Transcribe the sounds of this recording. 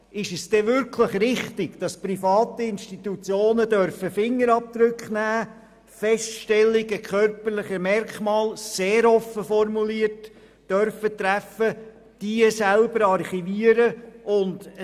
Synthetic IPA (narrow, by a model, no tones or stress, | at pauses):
ɪʃəsd̥ɛʋʏɾkʰləχrɪχtɪɡd̥ɑsprifɑːt̪iɪnʃtit̪ut͡sjoːnədœɾfəfɪŋːəɾɑp̚d̪ɾʏkχnæː | fɛstʃtɛlːɪɡəkʰœrpəɾlɪχəmɛɾkmɑːlseːɾɔfːəfɔrmuliːət | d̥œɾfət̪ɾæfə | d̥iəsælbəɾɑrχiviəɾəʔʊnd